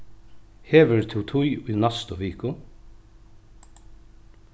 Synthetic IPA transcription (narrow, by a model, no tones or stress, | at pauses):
heːʋɪɾt̪ʰɪwt̪ʰʊjʊjnast̪ʊʋiːkʊ